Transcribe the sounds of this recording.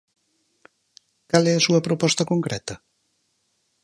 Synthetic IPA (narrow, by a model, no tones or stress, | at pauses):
kalɛɐsuɐpɾopɔst̪ɐkoŋkɾɛt̪ɐ